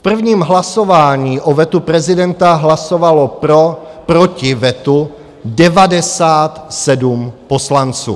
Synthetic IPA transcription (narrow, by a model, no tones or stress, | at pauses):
pr̩vɲiːmɦlaso̞vaːɲiːʔovɛt̪upɾɛzɪdɛnt̪aɦlaso̞valoopɾocɪvɛt̪u | dɛvadɛsaːt̪sɛdumpo̞slant͡sṵː